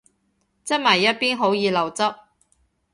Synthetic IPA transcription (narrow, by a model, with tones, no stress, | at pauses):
t͡sɐ˥t̚mɐ˨˩jːɐ˥t̚piː˥nɦo˨˥wjiː˨˧lɐ˨˩wt͡sɐ˥p̚